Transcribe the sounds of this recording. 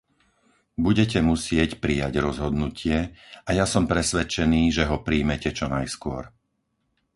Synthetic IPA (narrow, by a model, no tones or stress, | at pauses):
buɟɛcɛmusɪɛcpɾijaɟɾɔzɦɔd̪nucʰɪɛʔajasɔmpɾɛsʋɛt͡ʃɛniːʒɛɦɔpɾiːmɛcɛt͡ʃɔnajskʊɔ̰ɾ